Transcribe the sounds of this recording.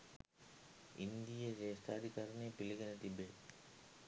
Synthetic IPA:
ind̪ijɐɾeːsʈ̪aːd̪ʱikaːɾɐneːpiliɡɐnɐt̪ibe

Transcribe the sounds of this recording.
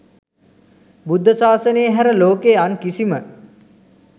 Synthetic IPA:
bud̪ʱːəsaːsənejəɦæɾəloːkeankisimə

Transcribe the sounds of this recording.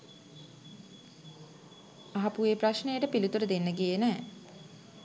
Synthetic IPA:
aɦapueːpraʃnejəʈəpilut̪uɾəd̪enːəɡijenɛː

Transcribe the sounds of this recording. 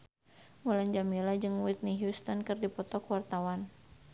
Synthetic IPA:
muland͡ʒamilad͡ʒɨŋwit̪̚niɦjust̪ɔnkɨrdipɔt̪ɔkwart̪awan

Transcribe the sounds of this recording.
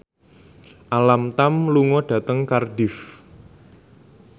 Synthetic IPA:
ʔalamt̪amluŋɔɖ̥ä̤t̪əŋkarɖɪf

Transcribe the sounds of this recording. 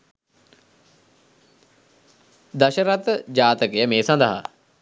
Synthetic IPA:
d̪ɐʃəɾat̪d͡ʑaːt̪əkejəmeːsand̪əɦa̰

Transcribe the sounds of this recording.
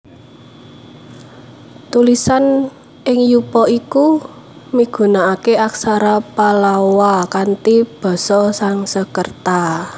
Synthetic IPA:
t̪ulisan | ɪŋjupɔiku | miɡ̥ṳnaːkeʔaksaɾapalawakant̪ib̥ɔ̤sɔsaŋsəkərt̪a

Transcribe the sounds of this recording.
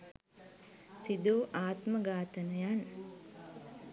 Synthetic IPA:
sid̪uʔaːt̪məɡaːt̪ənəjan

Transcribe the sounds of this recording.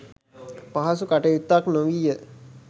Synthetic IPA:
paɦɐsukaʈejut̪ːaknoʋijə

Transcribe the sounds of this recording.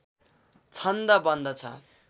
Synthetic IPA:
t͡sʰʌnd̪ʌbʌnd̪ʌt͡sʰʌ̰

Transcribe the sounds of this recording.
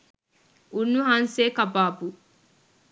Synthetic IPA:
ʔunːuɦanseːkɐbaːbu

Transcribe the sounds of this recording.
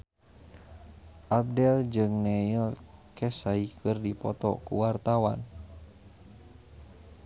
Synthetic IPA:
ʔab̚dɛld͡ʒɨŋnɛjəlkʰɛsaikɨrdipɔt̪ɔ̰kṵwart̪awa̰n

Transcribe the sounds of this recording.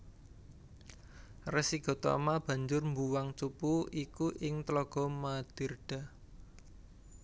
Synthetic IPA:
rɛsiɡ̥ɔ̤t̪ɔ̰mab̥ä̤ɲd͡ʒʊrmbuwaŋt͡ʃupuikuʔɪŋt̪lɔɡ̥ɔ̤mad̪̥ə̤rd̥a̤

